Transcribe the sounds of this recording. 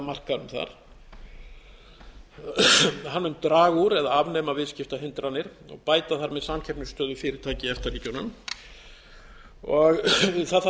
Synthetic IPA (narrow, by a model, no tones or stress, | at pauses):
mar̥kanʏmθa̰ɾ̥ | hanːʏmt̪ɾaːɣuɾɛðaavnɛmavɪðscɪft̪aɦɪnt̪ɾanːɪɾ̥ɔ̰ɣpaːjt̪aθaɾmɛðsamcʰɛpnʏst̪œːðʏfɪɾɪɾt̪ʰaːcɪɛft̪aɾriːcɔnʏm | ɔɣθaθ